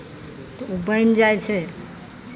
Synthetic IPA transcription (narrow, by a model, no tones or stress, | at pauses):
t̪ɔubənd͡ʒajt͡ʃʰɛ